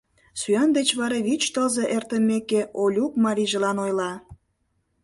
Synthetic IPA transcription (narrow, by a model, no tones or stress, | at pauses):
syɑnd̪et͡ɕβɑɾɑβit͡ɕt̪əlzeʔert̪əmekeolʲukmɑɾiʒə̆lɑnojlɑ